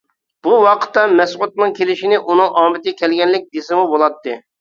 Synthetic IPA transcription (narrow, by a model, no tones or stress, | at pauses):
b̥uwɑqʰə̥t̪ːɑmɛsqʊt̪nɨŋkʲʰelɪʃinɪʔunɨŋʔɑːmɪt̪ɪɡʲɛkʲʰɛlɡʲɛnlɪk̚ʲd̪esɪmubolˠɑt̪ːɨ